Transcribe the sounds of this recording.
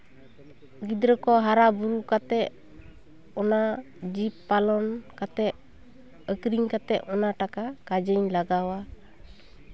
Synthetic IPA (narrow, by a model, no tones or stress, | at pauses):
ɡid̪ɾəkɔɦaɾabuɾukat̪ɛʔ | ɔna | d͡ʒipːalɔnkat̪ɛ | əkɾiŋkat̪ɛʔɔnaʈakakad͡ʒəɲlaɡawa